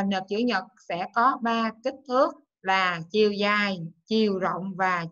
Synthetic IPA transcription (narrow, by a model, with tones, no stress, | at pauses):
nhəː˨˩p̚t͡ɕɨ̰˧˩əɲə˨˩t̚sɛ̰˧˥kɔ˨˦ɓaː˧ki˦˥k̟̚t̪ʰɨ˦˥ək̚ | laː˨˩t͡ɕi˧əwzaː˧jt͡ɕi˧əwzo̰˧˨wŋ͡mvaː˨˩